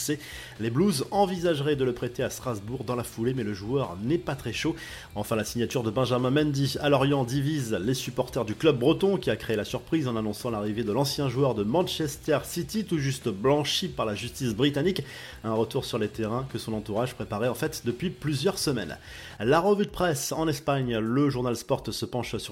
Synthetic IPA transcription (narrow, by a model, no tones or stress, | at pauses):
se | lebluzɑ̃vizaʒʁɛd̪ələpχɛt̪east̪χazbuʁd̪ɑ̃lafulemɛləʒuœʁnɛpat̪χɛʃo | ɑ̃fɛ̃lasiɲjat̪yʁd̪əbɛ̃ʒamɛ̃mɛ̃nd̪ialɔʁjɑ̃d̪ivizlesypɔʁt̪ɛʁd̪yklœb̚ːʁət̪ɔ̃kʲiakχeelasyʁpχizɑ̃nanɔ̃sɑ̃laʁived̪əlɑ̃sjɛ̃ʒuœʁd̪əmɑ̃nʃɛst̪ɛʁsit̪it̪uʒyst̪blɑ̃ʃipaʁlaʒyst̪isbʁit̪anik | ɛ̃ʁət̪uʁsyʁlet̪eʁɛ̃kəsɔ̃nɑ̃t̪uʁaʒpχepaʁɛɑ̃fɛt̪d̪əpɥiplyzjœʁsəmɛ̰n | laʁəvyd̪əpχɛsɑ̃nɛspaɲləʒuʁnalspɔʁt̪səpɑ̃ʃsy